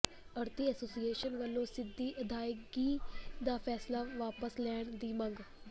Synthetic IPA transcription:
əɾt̪iːəsoːsieːʃənʋəlːõːsɪd̪ːiːʔəd̪ʱaːjəɡiːd̪aːpʰɛːslaːʋaːpəslɛːɳd̪iːməŋɡ

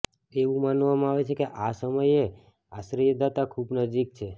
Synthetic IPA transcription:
eʋũmanʋamãaʋet͡ʃʰekeʔasəməje | aʃɾiəd̪at̪akʰubnəd͡ʒik̚t͡ʃʰe

